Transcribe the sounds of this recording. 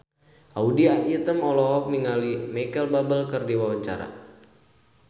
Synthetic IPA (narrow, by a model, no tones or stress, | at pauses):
ʔaudiait̪əmɔlɔɦɔk̚niŋalimɛkəlbabəlkərdiwawaɲt͡ʃa̰ɾa̰